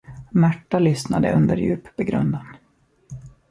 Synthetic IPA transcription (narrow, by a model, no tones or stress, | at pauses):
mæʈːalʏsnad̪ə̰ʔɵnd̪əɾjʉ̟̰ːpbɛɡɾɵ̰nd̪an